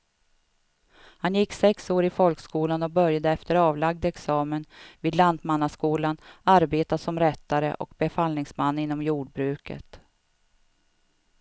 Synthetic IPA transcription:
hanjɪkːsɛksoːɾɪfɔlkskuːlanɔk̚bœɾjad̪əɛft̪əɾɑːvlaɡ̚d̪ɛksɑːmənviːd̪land̪manːaskuːlanaɾbeːt̪asɔmɾɛt̪ːaɾə̰ʔɔ̰kbɛfalnɪŋsmanːɪn̪ːɔmjuːɖ̚bɾʉ̟ːkə̰t̪

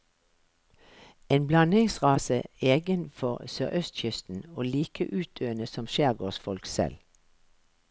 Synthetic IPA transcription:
eːnblɑnɪŋsʁɑːsəeːɡənfɔʁsøːʔœst̪çʏst̪n̩oːliːkʰəʔʉːt̪̚d̪øːənəsɔmʃæːʁɡoːsfɔlksɛ̰l

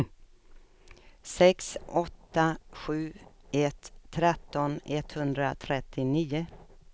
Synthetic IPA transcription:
sɛksʔɔt̪ːaɧʉ̟ːɛt̪ʰːɾɛt̪ːɔnɛt̪hɵnd̪ɾat̪ʰɾɛt̪ʰːɪniːʊ

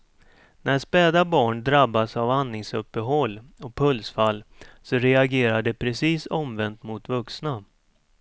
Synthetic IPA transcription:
nʔæɾspɛːd̪abɑːɳd̪ɾabːasavanːɪŋsɵpːəɦɔlːɔpʰɵlsfalːsɔɾɛaɡeːɾaɖɛpʰɾɛsiːsɔmvɛnt̪mʊt̪vɵksna

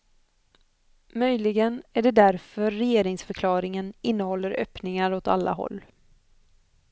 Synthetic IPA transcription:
mœjlɪɡənæɖɛd̪æɾfœɾːɛjeːɾɪŋsfœɾkʰlɑːɾɪŋənɪnːəhɔlːəɾœ̰pnɪŋaɾɔt̪a̰lːa̰ɦɔ̰lː

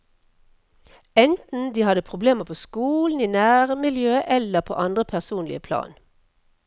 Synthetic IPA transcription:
ɛnt̪n̩d̪iːhɑd̪əpʰʁʊbleːməʁpʰoːskuːln̩iːnæːʁəmɪljøːʔɛləʁpʰo̰ːʔɑnd̪ʁəpʰæʁsuːnlɪ̰əpʰlɑ̰ːn

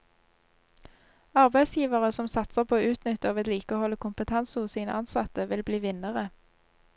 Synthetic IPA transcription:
ɑʁbæɪsjiːʋəʁəsɔmsɑt̪səʁpʰoːoːʉːt̪nʏt̪əɑːʋɛt̪liːkəoːhɔlːəkʰʊmpət̪ʰɑnsəhʊssiːnəʔɑnsɑt̪əʋɪlbliːʋɪnəʁə

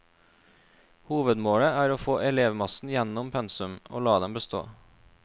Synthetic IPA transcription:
huːʋəd̪moːɽəæːɾoːfoːʔɛleːʋmɑsn̩jɛnʊmpʰɛnsʉmo̰ːlɑːd̪ɛmbəst̪o̰ː

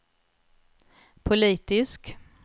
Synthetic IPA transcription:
pʰʊliːt̪ɪsk

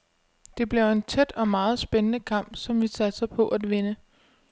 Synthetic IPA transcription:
d̥e̝b̥liɐe̝nt͡sʰed̥ɒ̽mɑ̈ːð̞̩ˠsb̥enənəkʰɑ̈m̰b̥sɒ̽mʋisæd̥sɑɪpʰɒ̽ʔæd̥ʋe̝nə

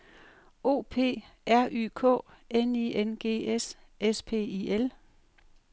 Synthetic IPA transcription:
o̝̰ːpʰe̝̰ː | ʔæɐʔy̰ːkʰɔ̰̽ː | enienɡ̥e̝̰ːes | espʰe̝̰ːiːel

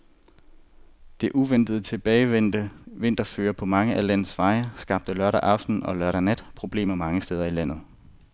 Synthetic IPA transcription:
d̥e̝ʔuʋen̰d̥əð̩ˠət͡sʰe̝b̥ɛɪ̥əʋe̝n̰d̥ɐføːɐpʰɒ̽mɑ̈ŋəʔælæn̰ð̩ˠsʋɑ̈ɪsɡ̥ɑ̈b̥̚d̥əlɶɐɾæʔɑ̈fd̥n̩ɒ̽lɶɐɾænæd̥pʰʁo̝b̥le̝̰ːmɐmɑ̈ŋəsd̥eːð̞ˠɐilæn̰ð̞̩ˠ

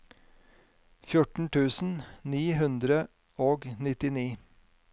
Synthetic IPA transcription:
fjʊʈɳ̩t̪ʰʉːsn̩niːhʉnd̪ɾə | ʔoːɡnɪt̪ɪniː

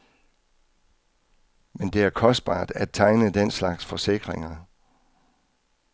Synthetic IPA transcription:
mend̥e̝æɐkʰɒ̽sd̥̚b̥ɑ̰̈ːd̥æd̥̚t͡sʰɑ̈ɪnəd̥en̰slɑ̈ɡ̥sfɒ̽se̝ɡ̥ʁeŋɐ

